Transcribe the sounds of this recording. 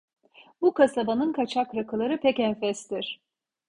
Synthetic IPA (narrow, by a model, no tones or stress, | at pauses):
bukasabanɯnkʰat͡ʃʰakɾakʰɯlˠaɾɯpʰɛcɛnfɛst̪iɾ̥